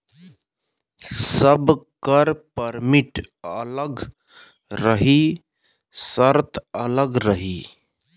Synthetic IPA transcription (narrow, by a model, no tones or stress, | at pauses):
səbkəɾpəɾmiʈələɡ | ɾəɦi | səɾt̪ʰələɡɾəɦi